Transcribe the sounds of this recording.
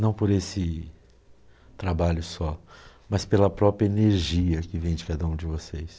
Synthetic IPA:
nɐ̃w̃poɾesɪ | t̪ɾabaʎʊsɔmɐspelɐpɾɔpɾʲjɐeneɾʒiɐkɪvẽj̃d͡ʒɪkad̪ɐũd͡ʒɪvosejs

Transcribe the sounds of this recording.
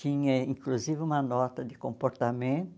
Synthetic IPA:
ĩɲɐĩŋkluzivɪũmɐnɔt̪ɐd̪ɪkõmpoɾt̪amẽnt̪

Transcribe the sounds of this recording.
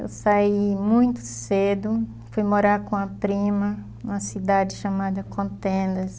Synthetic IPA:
ḛwsaimũj̃t̪ʊ̥sed̪ʊ | fujmoɾaɾkõɐpɾĩmɐ | ũmɐsid̪ad͡ʒɪʃamad̪ɐkõnt̪ẽnd̪ɐs

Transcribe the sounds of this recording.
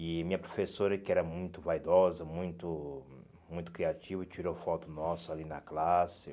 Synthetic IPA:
ɪmĩɲɐpɾofesoɾɐkɪɛɾɐmũj̃t̪ʊvajd̪ɔzɐmũj̃t̪ʊ | mũj̃t̪ʊ̥kɾiat͡ʃivɐt͡ʃiɾowfɔt̪ʊnɔsʊalinɐklasɪ

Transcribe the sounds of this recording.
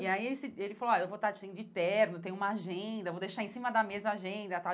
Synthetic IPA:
iaielɪsɪelɪfalowaewvot̪ad͡ʒɪʃsẽʊd͡ʒɪt̪ɛɾnʊt̪ẽɲ̃ʊ̃ũmɐaʒẽd̪ɐvowd̪ejʃaɾẽsĩmɐd̪ɐmezɐaʒẽd̪ɐt̪a

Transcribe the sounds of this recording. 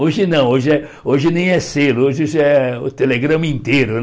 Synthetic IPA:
oʒɪnɐ̃w̃oʒɪɛ | oʒɪnẽj̃ɛselʊoʒɪoʒɪɛʊ̰t̪eleɡɾɐ̃mɐĩnt̪eɾʊ

